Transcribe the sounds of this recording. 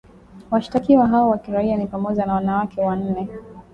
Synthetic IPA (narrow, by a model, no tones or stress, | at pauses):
waʃi̥takiwaɦawawakiɾaianipamɔʄanawanawakʰɛwan̩nɛ